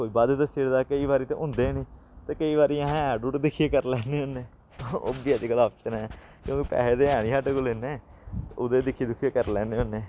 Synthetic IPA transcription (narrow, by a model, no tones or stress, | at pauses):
kʊd͡ʒbaːd̪d̪əsiːɽd̪aːkəiːbaːɾiːt̪ḛ̃ːɦʊ̃nd̪eːnĩː | t̪eːkəiːbaːɾiːəɦɛːɖuːʈd̪ɪkʰiekəɾlɛːneːɦʊnːeː | o̰ːbiːəd͡ʒkəlaːp̚t͡ʃənɛː | kjõːkɪpɛ̰ːɦeːd̪eːɛ̃ːɽ̃iːɦaʈekoleːneːʊd̪eːd̪ɪkʰiːd̪ʊkʰieːkəɾlɛːneːɦʊneː